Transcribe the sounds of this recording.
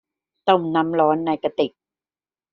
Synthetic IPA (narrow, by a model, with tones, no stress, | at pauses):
t̪o˥˩mna˦˥mlɔː˦˥nːa˧˩jka˧t̪i˨˩k̚